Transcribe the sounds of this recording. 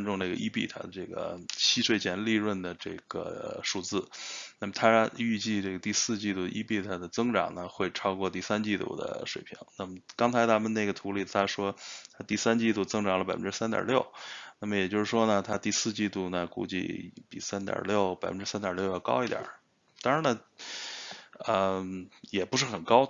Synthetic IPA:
nʈ͡ʂʊ˥˧ŋna˥˩ɡə̰˩ʔi˥pi˥˩t̪ʰa̰˥d̪ə˧ʈ͡ʂɤ˥˩ɡə̰˩t͡ɕʰi˥ʂwe˥˩ɪt͡ɕʰjɛ˧˥nli˥˧ɻwə˥˩nd̪ə˩ʈ͡ʂɤ̰˥˩ɡ̥ə̰˩ʂu˥˧t͡sɹ̩˥˩na˥˩mə˩t̪ʰa˥y˥˧t͡ɕi˥˧ʈ͡ʂɤ˥˩ɡə˩t̪i˥˧sɹ̩˥˧t͡ɕi˥˧t̪u˥˩ʔi˥pi˥˩t̪ʰa˥d̪ə˨t͡sɤ˥ŋʈ͡ʂɑ̰˨˩ŋnə˩xwe˥˩ɪʈ͡ʂʰɑ˥ʊkwɔ˥˧t̪i˥˩sa˥nt͡ɕi˥˧t̪ṵ˥˩d̪ə̰˩ʂwe˨˩ɪpʰḭ˧˥ŋna˥˩mə˩kɑ˥ŋt͡sʰɪt̪ʰa˥mə˧ne˥˩ɪɡə˩t̪ʰu˧˥li˥˩t̪ʰa˥ʂwɔ˥t̪ʰa˥t̪i˥˩sa˥nt͡ɕi˥˧t̪u˥˩t͡sɤ˥ŋʈ͡ʂɑ˨˩ŋlə˧pa˨˩ɪfə˦nʈ͡ʂɻ̩˥s̬a˥nt̪jɑ̰˨˩ljo˥˩ʊna˥˩mə˩jɛ˨˩t͡ɕjo˥˧ʊʂɻ̩˥˩ʂwɔ˥nə˨t̪ʰa˥t̪i˥˧sɹ̩˥˧t͡ɕi˥˧t̪u˥˩nə˩kṵ˥˧t͡ɕḭ˥˩pḭ˨˩sa˥nt̪jɑ̰˨˩ljo˥˩ʊpa˨˩ɪfə˦nʈ͡ʂɻ̩˥sa˥nt̪jɑ˨˩ljo˥˧ʊjɑ˥˩ʊkɑ˥ʊi˧˥t̪jɑ̰˨˩˦ | t̪ɑ˥ŋɻa˧˥nə˧ | ə˧jɛ˨˩pu˧˥ʂ̬ɻ̩˥˩xə˨˩nkɑ˥ʊ

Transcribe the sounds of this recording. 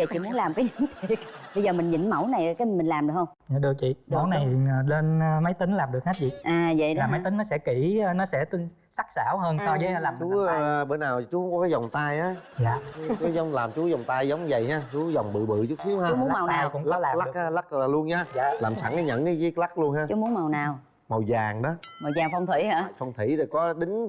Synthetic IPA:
ə˧˨jt͡ɕḭ˧˨mu˨˦nlaː˨˩mkaː˨˦jza˧˦t̪i˨˩ɓə˧jzəː˨˩mï˨˩ŋ̟ɲḭ˧˩˦nmə˧˩wna˨˩jkaː˨˦˨mi˨˩ŋ̟laː˨˩mɗɨ˨˩khə˧wŋ͡maː˨˩ɗɨ˨˩ək̚t͡ɕḭ˧˨mə˧˦wna˨˩jːle˧nː˧ma˨˦jt̪ï˨˦ŋ̟laː˨˩mɗɨ˨˩k̚ha˦˥t̚vḭ˧˨ʔaː˨˩və̰˧˨aː˨˩ma˨˦jt̪ï˨˦ŋ̟nɔ˨˦sɛ̰˧˥ki˧˩˧nɔ˨˦sɛ̰˧˥t̪ɨ˨˧ŋ | sa˦˥k̚sa̰ː˧˩wɦəː˧nsɔ˧zəː˨˦jlaː˨˩mɗt͡ɕːu˨˦˨ɓə˧˩nːaː˨˩wt͡ɕu˨˦ʊ˧˦ŋ͡mkɔ˨˦kaː˨˦za˨˩wŋ͡mt̪aː˧jʔaː˨˦jaː˨˩kɔː˨˦zɔ˨˧˦wŋ͡mlaː˨˩mt͡ɕu˨˦zɔ˨˩wŋ͡mt̪aː˧jzə˨˦wŋ͡mzə˨˩jɲaː˧t͡ɕu˨˦zɔ˨˩wŋ͡mɓɨ̰˧˨ɓɨ̰˧˨t͡ɕu˦˥si˨˦əha˧˨˦mu˦a˨˩wnaː˨˧kʊ̰˧˥ŋ͡mla˦˥˦laː˨˩la˦˩˨k̚haː˨˦la˦˥k̚aː˨˩lu˧ənɲaː˧jaː˧˨laː˨˩msa˧˩ŋa˨˧˦ɲə̰˧˥nə˨˦zi˨˦kla˦˥k̚lu˧ənhaː˧t͡ɕu˨˦mu˨˦nma˨˩wnaː˨˩w | mo˨˩wzaː˨˩ŋɗɔ˨˦mɔ˨˩wzaː˨˩ŋfɔ˧wŋ͡mt̪ʰwḭ˧˩˦aː˧˩˨fɔ˧wŋ͡mt̪ʰi˧˩ɾe˨˩kɔ˨˦ɗï˨˦ŋ̟

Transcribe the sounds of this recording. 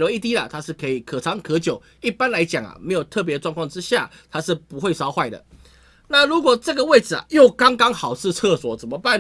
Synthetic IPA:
lo˧˦i˥˧˩t̪̬i˥lɐ˨t̪ʰa˥ʂɻ̩˥˩kʰɤ˧˥i˨˩kʰɤ˨˩ʈ͡ʂʰɑ˧˥ŋkʰɤ˧˥t͡ɕjo˨˩ʊ | i˥˩pa˥˦nla˧˥ɪt͡ɕjɑ˨˩ŋɐ̰˨˩me˧˥ɪjo˨˩ʊt̪ʰɤ˥˩p̬jɛ˧˥ə˧ʈ͡ʂwɑ˥˧ŋkʰwɑ˥˨ŋʈ͡ʂɻ̩˦˥ɕja˥˩ | t̪ʰa˥ʂɻ̩˥˩pu˧˦xwe˥˩ɪsɑ˥ʊxwa˥˩ɪd̪ə̰˩ | na˥˨˩lu˨˥kwɔ˨˩ʈ͡ʂɤ˥˩ɡə˨we˥˩ɪd͡zɹ̩˩a̰˨jo˥˨˩ʊkɑ˥ŋkɑ˥ŋxɑ˨˩ʊʂɻ̩˥˧t͡sʰɤ˥˧swɔ˨˩t͡sə˨˩nmə˨pa˥˩n

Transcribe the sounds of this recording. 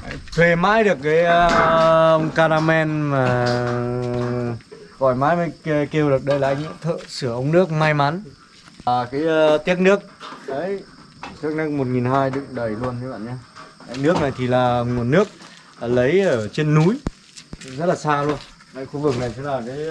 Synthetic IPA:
t̪ʰwe˨˩maː˧˩jɗɨ˨˩ək̚ːaː˨˦jə˧wŋ͡mkaː˧ɾaː˧mɛ˧nmaː˨˩ | ɣɔ˨˩jmaː˨˦jma˨˦jke˧wɗɨ˨˩ək̚ɗə˧jlaː˨˩ʔa˧ŋ̟˧˨t̪ʰə̰ː˧˨sɨ˧˩əʔə˧wŋ͡mnɨ˦˥ək̚maː˧jma˨˦n | ʔəː˨˩kaː˨˦jt̪i˦˥ək̚nɨ˦˥ək̚ʔə˨˦j | t̪i˦˥k̚nɨ˦˥ək̚mo˨˩t̚ŋi˨˩nhaː˧jɗɨ̰˧˨ŋɗə˨˩jlu˧ənː˧˦ɓa̰ː˧˨nɲaː˧˦a˨˩nɨ˦˥ək̚na˨˩jt̪ʰi˨˩laː˨˩mo˨˩t̚nɨ˦˥ək̚ː | lə˨˦jʔəː˧˩t͡ɕe˧nːu˨˦j | zə˦˥t̚laː˨˩saː˧lu˧ən | a̰˧˨˩jxu˧vɨ˨˩k̚na˨˩jsə˨˦laː˨˩kaː˨˦j

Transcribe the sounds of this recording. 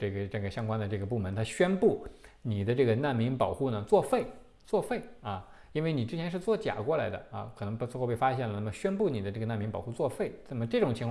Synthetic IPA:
ʈ͡ʂɤ˥˩ɡə˩ʈ͡ʂə˥˩ɡə˩ɕjɑ˥ŋkwa˥nd̪ə˨˧ʈ͡ʂɤ˥˩ɡə˩pu˥˩mə˧˥nt̪ʰa˥ɕɥɛ˥npu˥˩ni˨˩d̪ə˦ʈ͡ʂɤ˥˩ɡə˩na˥˩nmi˧˥ŋpɑ˨˩ʊxu˥˩nə˩t͡swɔ˥˧fe˥˩ɪ | t͡swɔ˥˧fe˥˩ɪɐ˥˧ | i˥nwe˥˩ɪni˨˩ʈ͡ʂɻ̩˥t͡ɕʰjɛ˧˥nʂ̬ɻ̩˥˧t͡swɔ˥˩t͡ɕja̰˨˩kwɔ˥˩la˧˥ɪd̪ə̰˧ɐ̰˧kʰɤ˨˩nɤ˧˥ŋpxo˥˧pe˥˩ɪfa˥ɕjɛ˥˩nlə˩na˥˩mə˩ɕɥɛ˥npu˥˩ni˨˩d̪ə˦ʈ͡ʂɤ˥˩ɡə˩na˥˩nmi˧˥ŋpɑ˨˩xu˥˧t͡swɔ˥˧fe˥˩ɪna˥˩mə˩ʈ͡ʂɤ˥˩ʈ͡ʂʊ˨˩ŋt͡ɕʰŋk

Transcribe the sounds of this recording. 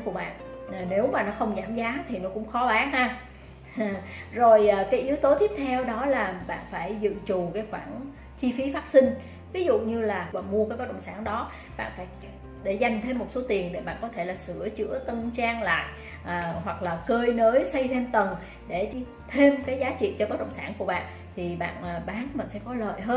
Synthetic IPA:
ku˧˩əɓa̰ː˧˨nʔne˨˦wmaː˨˩nɔ˨˦xə˧wŋ͡mzaː˧˩mzaː˨˦t̪ʰi˨˩nɔ˨˦kʊ̰˧˥ŋ͡mxɔ˨˦ɓaː˨˦nhaː˧˨ | zo˨˩jʔəː˨˩kaː˨˦jʔi˨˦əwt̪o˨˦t̪i˦˥əp̚t̪ʰɛ˧wɗɔ˨˦laː˨˩ɓa̰ː˧˨nfaː˧˩jzɨ̰˧˨t͡ɕu˨˩kaː˨˦jxwaː˧˩n | t͡ɕi˧fi˨˦faː˦˥t̚si˧ŋ̟ | vi˨˦zṵ˧˨ɲɨ˧laː˨˩a̰ː˧˨˩mu˧əkaː˨˦kɔ˨˦˥ɗə̰˧˨ŋ͡msaː˧˩nɗɔ˨˦ | ɓa̰ː˧˨nfaː˧˩j | ɗe˧˩za˧jŋ̟t̪ʰe˧mːo˨˩t̚so˨˦t̪i˨˩ənɗe˧˩ɓa̰ː˧˨nkɔ˨˦t̪ʰe˧˩laː˨˩sɨ̰˧˩ət͡ɕɨ̰˧˥ət̪ə˧nt͡ɕaː˧ŋla̰ː˧˨jʔ | ʔːhwa˨˩k̚laː˨˩kəː˧jnəː˨˦jsə˧jt̪ʰe˧mt̪ə˨˩n | ɗe˧˩˧ | t̪ʰe˧mkaː˨˦jzaː˨˦t͡ɕḭ˧˨t͡ɕɔ˧ɓəː˦˥t̚ɗə̰˧˨wŋ͡msaː˧˩nku˧˩əɓa̰ː˧˨n | t̪ʰi˨˩ɓa̰ː˧˨nʔːɓaː˨˦nmï˨˩ŋsɛ̰˧˥kɔ˨˦lə̰ː˧˨jɦəː˧n

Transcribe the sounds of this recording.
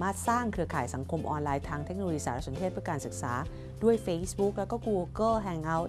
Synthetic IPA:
maː˥˩t̪̚saː˥˩ŋkʰɯ˧əkʰaː˨˩jsa˩˦ŋkʰo˧mʔɔː˧nlaː˧jt̪ʰaː˧ŋt̪ʰe˦˥k̚o˧jiː˧saː˩˦ɾa˦˥so˩˦nt̪eː˥˩t̪̚pɯ˥˩kaː˧nsɯ˨˩k̚sa̰ː˩˦ | du˥˩əjfe˧˥sbu˦˥k̚lɛː˦˥wkɔː˥˩kuː˧kɤː˥˩ɦɛ˧ŋʔa˦˧˥w

